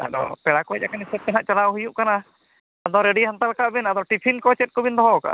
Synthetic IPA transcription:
a̰dɔ̰pɛɽakɔɛakanisɛt̚p̪ɛnɦaʔt͡ʃalawɦujuʔkana | ad̪ɔɾɛɖiɦant̪alkaʔbɛnad̪ɔʈipʰinkɔt͡ʃɛt̪̚kɔbind̪ɔɦɔka̰ʔ

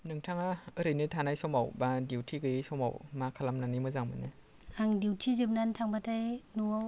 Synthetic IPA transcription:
nɯŋtʰaŋaɯɾɯnɯtʰanajsɔmawbadiwtʰiɡɯjɯsɔma̰wmakʰalamnanimɯzaŋmɯ̰nɯ | aŋdiwtʰizip̚nantʰaŋbatʰajnua

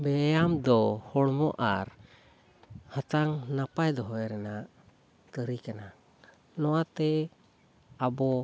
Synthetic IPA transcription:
bɛjamd̪ɔhɔɽmɔʔaɾ | hat̪aŋnapajd̪ɔɦɔɛɾɛnaʔ | t̪əɾikana | nɔwat̪ɛ | abɔ

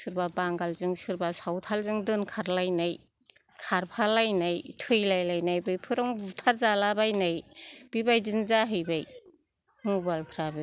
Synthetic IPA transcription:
sɯɾbabaŋɡalzɯŋsɯɾbasawtʰalzɯŋdɯnkʰaɾlajnaj | kʰaɾpʰalajnajtʰɯjlajlajnajbɯjpʰɯɾɔŋbutʰaɾzalabajnajb̥ibajdɯnzaɦɯjbaj | mubalpʰɾabɯ

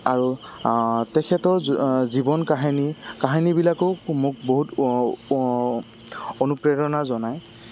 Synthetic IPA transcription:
aɹu | tɛkʰɛtɔɹzibɔnkaɦinikaɦinibilakomʊk̚boɦut | onupɹɛɹɔnazɔnaj

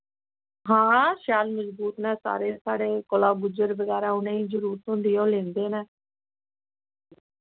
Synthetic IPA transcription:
ɦãːʃaːlməsbuːt̪nɛ̃ːsa̰ːɾeːsaːɽeːkolaːɡʊd͡ʒəɾʋəɡɛːɾaːʊnẽːĩːzəɾuːɾt̪ɦʊ̃ːnd̪iːõːlẽːnd̪eːnɛ̃ː

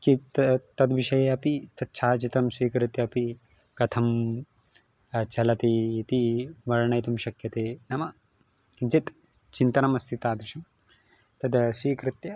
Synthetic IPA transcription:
kit̪ɐt̪ɐd̪ʋiʃɐjeɐpit̪ɐt̪̚t͡ʃʰaːt͡ʃit̪ɐmsʋiːkɾɨt̪jɐːpi | kɐt̪ʰɐm | t͡ʃʰɐlɐt̪iit̪iʋɐɾɐɳɐjt̪ɐmʃɐkjɐt̪eːnɐmɐ | kint͡ʃit̪ | t͡ʃint̪ɐnɐmɐst̪ʰit̪aːd̪ʋiʃɐm | t̪ɐd̪sʋiːkɾɨt̪jɐ

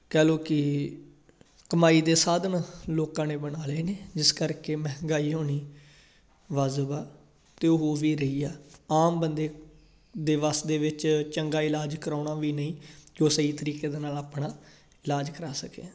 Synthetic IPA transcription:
kɛːloːkɪ | kəmaːiːd̪eːsaːd̪ənloːkãːneːbənaːleːneːd͡ʒɪskəɾkeːmɛ̃ːɦŋɡaːiːɦoːniː | ʋaːzbaː | t̪eːoɦoːʋiːɾəiːɛːaːmbənd̪eː | d̪eːʋasd̪eːʋɪt͡ʃt͡ʃəŋɡaːɪlaːd͡ʒkəɾaːnaːʋiːnəĩːkoːsəiːt̪əɾiːkeːd̪eːnaːlaːpɳaː | ɪlaːd͡ʒkəɾaːsəkḛː

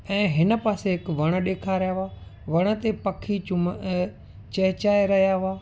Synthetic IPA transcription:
ɛ̃ːɦɪnə̆paːseɦɪkʋɐɽ̃ə̆ɗeːkʰaɾijaɦʊaːʋɐɽ̃ə̆t̪epɐkʰiʊm | t͡ɕɐɦt͡ɕaːeɾɐɦijaɦʊaː

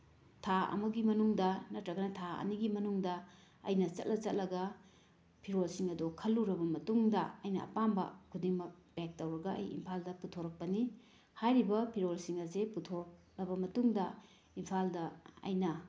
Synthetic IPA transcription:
tʰaɐ̰muɡimɐnuŋdɐnɐtɾɐɡɐnɐtʰaɐ̰niɡimɐnuŋdɐ | ɐ̰jnɐt͡ʃɐ̰t̚lʔɐt͡ʃɐt̚lʔɐɡɐ | pʰiɾolsiŋɐdokʰɐlːuɾɐbɐmɐtuŋdɐɐjnɐɐ̰pambɐ̰kʰudiŋmɐk̚b̥ek̚tɐwɾɐɡɐʔɐ̰jḭmpʰaldɐputʰoɾɐk̚pɐni | hajɾibɐpʰiɾolsiŋɐzeputʰoɾk̚ | ɾɐbɐmɐtuŋdɐ | impʰaldɐɐ̰jnɐ

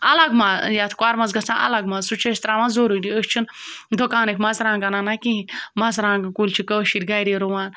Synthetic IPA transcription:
ɐlɐɡmajat̪ʰkwaɾmɐzɡɐst͡sãːnʔɐ̰lɐɡmazsut͡ʃʰɐst̪ɾaːmãnzoːɾudʲiəst͡ʃʰind̪okaːnɨkʰmɐzɾãːɡɐnanakĩɦĩmɐzɾãːɡɨkulʲt͡ʃʰikəʃiɾʲɡɐːɾeɾoʋaːn

